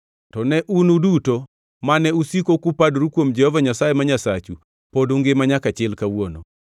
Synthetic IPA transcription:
tɔnɛʔunuduto | manɛusikokupadɾukwomd͡ʒɛhɔvaɲasajemaɲasat͡ʃu | podoŋɡemaɲakat͡ʃɪlkawono̰

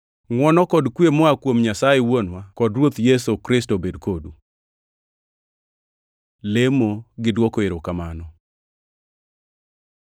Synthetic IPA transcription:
ŋwɔnɔkɔdkwemɔakwomɲasajewonwakɔdɾwot̪jɛsokɾɪstobedkodu | lemoɡɪdwɔkoeɾokamanɔ

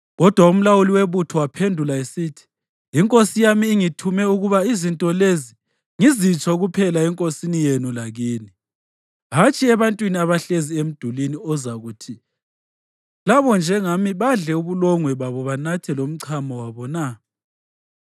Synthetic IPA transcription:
ɣɔd̥ʱwaum̩lawuliweβutʰɔwapʰendʱulaesitʰi̥ | iŋkʼosijamiːŋitʰumɛuɣuβaizintʼɔlezi | ŋizit͡ʃʼʰauɣupʰɛlaɛŋkʼosinijenulaɣiːni | ɦat͡ʃʼiɛβantʼwiniaβaɬeziem̩d̥ʱuliniɔzaɣutʰi | laβɔnd͡ʒʱɛŋamiβaɮɛuβulɔŋwɛβaβɔβanatʰɛlom̩ǀʰamɔwaβɔna

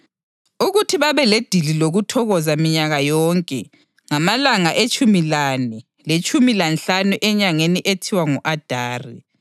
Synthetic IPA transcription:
uɣutʰiβaβɛled̥ʱililoɣutʰɔɣɔzamiɲaɣajɔːŋkʼɛ̰ | ŋamalaŋaʔet͡ʃʼumilaːnɛ | let͡ʃʼumilanɬanuʔɛɲaŋeniʔetʰiwaŋuʔad̥ʱaːri

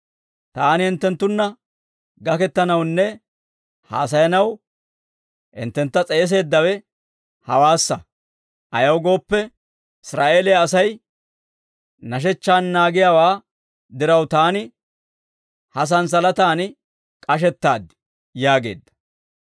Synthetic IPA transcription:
t̪aːnɪhɪnt̪ːɛnt̪ːʊnːɐ | ɡɐkɛt̪ːɐnɐwnːɛ | ha̰ːs̬ɐjɐnɐw | hɪ̰nt̪ːɛnt̪ːɐt͡sʼɛjːs̬e̞ːd̪ːɐwɛ | hɐwaːsːɐ | ʔɐjɐwɡo̞ːpːɛ | ɪsɾaːʔe̞ːlɛjaːsɐj | nɐʃ̬ɛt͡ʃːaːnːaːɡɪjaːwaː | d̪ɪɾɐwt̪aːnɪ | hɐs̬ɐns̬ɐlɐt̪aːnɪ | kʼɐʃ̬ɛt̪ːaːd̪ɪ | jaːɡe̞̰ːd̪ːɐ̥

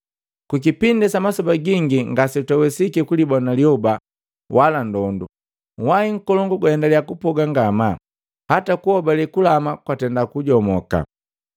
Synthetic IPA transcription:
kuk̬ipindɛsamasɔbaɡiŋɡiŋɡasɛtawɛsikikulibɔnaliɔba | wʔalandɔndu | waiŋ̩kɔlɔŋɡuɡwaɛndalijakupɔɡaŋɡama | hatakuhɔbalɛkulamakwatɛndakuɟɔmɔka̰

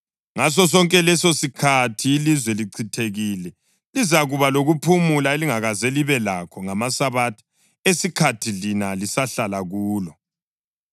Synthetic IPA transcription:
ŋas̬ɔs̬ɔŋkʼɛlɛsosikʰatʰiːlizwɛliǀʰitʰeɣilɛ | lizaɣuβaloɣupʰumulaeliŋaɣazeliβɛlakʰɔŋamasaβatʰi̥ | esikʰatʰilinalisaɬalaɣuːlɔ

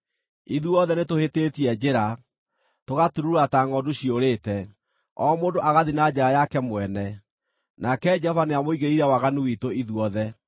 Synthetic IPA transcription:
iðuɔðɛnetohetetiɛd͡ʒeɾa | toɣatuɾuɾataŋɔdoɕioɾeːtɛ | ɔmoːndoʔaɣaðinad͡ʑeɾajakɛmwɛnɛ | nakɛd͡ʒɛhɔvaneamoiɣeɾiɾɛwaɣanuwitoiðuɔðɛ

